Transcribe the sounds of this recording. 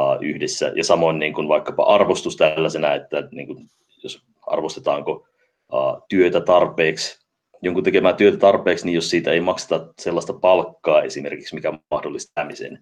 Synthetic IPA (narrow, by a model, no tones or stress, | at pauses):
ʔyhdesːæ̰jɑ̰sɑmoinniːŋkunʋɑikːɑpɑ̰ʔɑrʋost̪ust̪ælːæsenæet̪ːænḭːŋkun | jos | ɑ̰rʋost̪et̪ɑːŋko | ə̰ːt̪yøt̪æt̪ɑrpeːks | joŋkut̪ekemæːt̪yøt̪æt̪ɑrpeːksnijjossiːt̪æeimɑkse̥t̪ɑselːɑst̪ɑpɑlkːɑːesimerkiksmikæɑhdolːist̪æmisḛn